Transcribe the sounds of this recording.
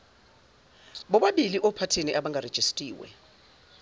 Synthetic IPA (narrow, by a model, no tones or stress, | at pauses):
ɓɔɓaɓiliʔɔpʰatʰeniʔaɓaŋɡʱared̥ʒ̥ʱestʼiːwɛ̰